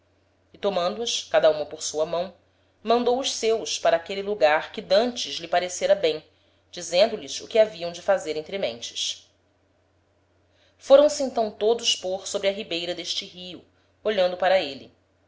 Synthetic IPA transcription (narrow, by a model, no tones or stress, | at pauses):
ɪt̪omɐ̃nd̪ʊɐskad̪ɐũmɐpoɾsuɐmɐ̃w̃ | mɐ̃nd̪owʊʃsewʃpaɾɐaːkelɪluɡaɾkɪd̪ɐ̃nt͡ʃɪzlɪpaɾeseɾɐbẽj̃ | d͡ʒizẽnd̪ʊlɪzʊkɪaviɐ̃w̃d͡ʒɪfazeɾẽnt̪ɾɪmḛ̃j̃t͡ʃɪ̥s | foɾɐ̃w̃sɪẽnt̪ɐ̃w̃t̪od̪ʊspoɾsobɾɪɐɦibejɾɐd̪eʃt͡ʃɪɦiʊ | oʎɐ̃nd̪ʊpaɾɐelɪ